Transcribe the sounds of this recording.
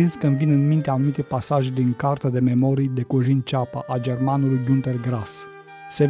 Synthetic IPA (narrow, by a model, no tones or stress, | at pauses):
inskənvinɨnmint̪eanumit̪ejpasaʒd̪iŋkart̪əd̪e̞me̞mo̞ɾijd̪e̞koʒint͡ʃapa̰ʔad͡ʒe̞rmanulujɡunt̪erɡɾas | se